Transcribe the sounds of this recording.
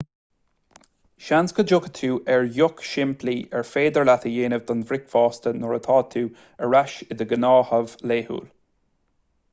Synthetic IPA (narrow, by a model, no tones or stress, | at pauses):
ʃanskəd͡ʒʊkə̥t̪ʰuːʔɛɹjʊkʃɪmpliʔɛɹfeːd̪əɹlat̪əjeːnəvd̪ɔnvɾɪkfɑːst̪ənɔɹət̪ʰɑːt̪ʰuː | əɹaʃɪd̪əɡənɑːhəvleːhṵːl